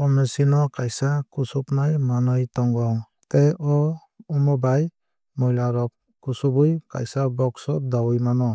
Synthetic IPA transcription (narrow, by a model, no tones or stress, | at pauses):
ɔmɛsinɔkajsakusupnajmanɔjtɔŋɡɔŋ | tɛɔ | umɔbaj | mɔjlaɾɔ | kusubujka̰jsabɔksɔdawujmanɔ